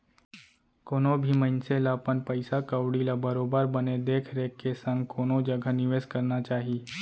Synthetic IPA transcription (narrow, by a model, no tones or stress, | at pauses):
koːnobʱimə̃nselaːpənpəɪsakəwɽilabɐɾoːbəɾbəned̪eːkʰɾeːkːesə̃ŋɡ̚koːnod͡ʒɐɡʱənɪʋeːzkɐɾnat͡ʃaːɦi